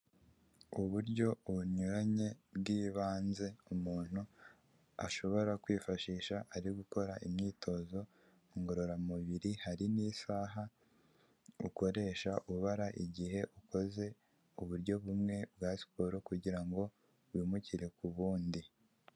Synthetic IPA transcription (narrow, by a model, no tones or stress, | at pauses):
uβuɾɟo̞uɲuɾaɲe̞bɡiːβaːnze̞umuːn̥hu | a̰ʃo̞βo̞ɾakwiːfaʃiːʃaʔaɾiɡuko̞ɾaʔimɲiːtʰo̞zo̞ | ŋɡo̞ɾo̞ɾamuβiɾihaɾiniːsaːɦa | ṵko̞ɾe̞ːʃaʔuuβaɾaʔiɟihe̞ʔuko̞ze̞ | uβuɾɟo̞βumŋe̞bɡaːsi̥poɾokuɟiɾaŋɡo̞ | βwimuciɾe̞kuβuːndi